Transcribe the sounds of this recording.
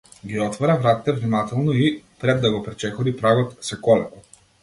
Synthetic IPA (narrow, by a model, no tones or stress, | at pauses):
ɡiɔt̪vɔɾavɾat̪ɛt̪ɛvnimat̪ɛlˠnɔipɾɛd̪ːaɡɔpɾɛt͡ʃɛxɔd̪ipɾaɡɔt̪sɛkɔlɛkɔ